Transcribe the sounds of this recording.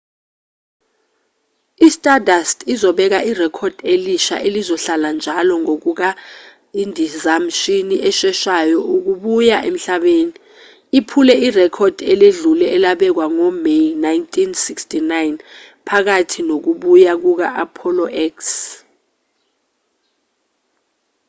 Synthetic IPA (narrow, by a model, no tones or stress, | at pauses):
istʼadastʰʼizɔɓɛk̬aʔirɛkʰɔd̥ʱeliʃa̰ʔelizɔɬaland͡ʒʱalɔŋok̬uk̬a | indʱizamʃiniʔɛʃɛʃajɔuk̬uɓujaʔem̩ɬaɓeːni | ipʰulɛirɛkʰɔd̥ʱɛleɮulɛʔɛlaɓɛk̬waŋɔmejnajntʰʼinsikstʰʼinajn | pʰak̬atʰinok̬uɓujak̬uk̬aʔapʰɔlɔʔɛks